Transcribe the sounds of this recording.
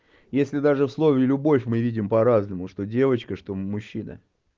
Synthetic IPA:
jesʲlʲɪd̪aʐɨfslˠo̞vʲɪːlʲʊbo̞fʲmɨvʲidʲɪmpɐɾaznəmʊʂt̪o̞dʲe̞vət͡ɕkəʂt̪o̞mʊɕːinə̰

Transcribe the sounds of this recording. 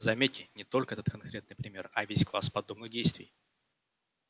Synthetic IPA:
zɐmʲetʲːɪnʲɪt̪o̞lʲkəɛt̪ət̪kɐnkɾʲet̪nɨjpɾʲɪmʲe̞rɐvʲesʲklˠaspɐd̪o̞bnɨɣdʲejst̪vʲɪ̰j

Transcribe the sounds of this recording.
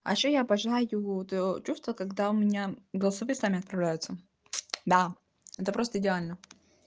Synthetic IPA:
ɐ̰ɕojapɐʐɨlˠajʊt̪jot͡ɕust̪vəkɐɡd̪aʊmʲɪnʲaɡəlˠsɐvɨsamʲɪɐt̪̚pɾɐvlʲæjʊt̪sə | d̪a | ɛt̪əpɾo̞st̪əɪdʲɪalʲnə

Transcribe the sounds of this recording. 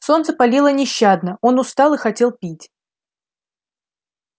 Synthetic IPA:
so̞nt̪səpɐlʲilˠənʲɪɕːad̪nəo̞nʊst̪ɑlˠɨxɐtʲe̞lˠpʲitʲ

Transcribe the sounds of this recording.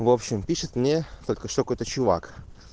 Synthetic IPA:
vopɕːɪmpʲiʂɨt̪mnʲet̪o̞lʲkəʂt̪okojt̪ət͡ɕʊva̰k

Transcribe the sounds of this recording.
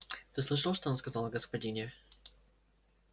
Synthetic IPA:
t̪ɨslˠɨʂ̬ɨlˠʂt̪oonskɐzɑlˠɡəspɐdʲinʲɪʊ

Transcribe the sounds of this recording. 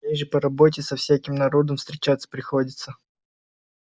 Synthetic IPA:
ejʐɨpəɾɐbot̬ʲɪsɐfsʲækʲɪmnɐɾo̞d̪əmfst̪ɾʲɪt͡ɕat̪sə̥pɾʲɪxo̞dʲɪt̪sə

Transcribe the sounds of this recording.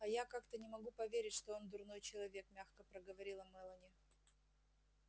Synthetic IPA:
ɐjakakt̪ənʲɪmɐɡupɐvʲeɾʲɪtʲʂt̪oo̞nd̪ʊrno̞jt͡ɕɪlˠɐvʲe̞kmʲaxkəpɾəɡəvɐɾʲilˠɐmɛlˠənʲɪ

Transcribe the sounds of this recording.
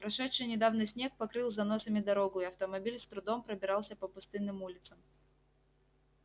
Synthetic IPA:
pɾɐʂɛtʂɨjnʲɪd̪avnɨjsʲnʲe̞k̚pɐkɾɨlˠzɐnosəmʲɪd̪ɐɾo̞ɡʊɪɐft̪əmɐbʲilʲst̪ɾʊd̪ompɾəbʲɪɾɑlˠsʲəpəpʊst̪ɨnːɨmulʲɪt̪səm

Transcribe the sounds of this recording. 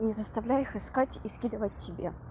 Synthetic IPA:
nʲɪzəst̪ɐvlʲæjɪxɨskatʲiskʲid̪əvət̚ʲtʲːɪbʲḛ

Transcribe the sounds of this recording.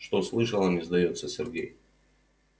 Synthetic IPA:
ʂt̪oslˠɨʂəlˠənʲɪzd̪ɐjo̞t̪səsʲɪrɡʲḛj

